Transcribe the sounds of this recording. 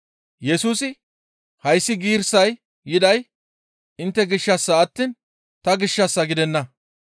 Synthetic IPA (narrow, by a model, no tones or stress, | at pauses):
jɛsuːsɪ | hɐjsːɪɡiːɾsɐj | jɪd̪ɐj | ɪnt̪ːɛɡɪʃːɐsːɐːt̪ːiːn | t̪ɐɡɪʃːɐsːɐɡɪd̪ɛnːɐ